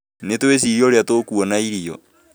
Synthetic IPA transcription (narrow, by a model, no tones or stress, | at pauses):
netwes̬iɾiɔɾeatokuɔnaiɾiɔ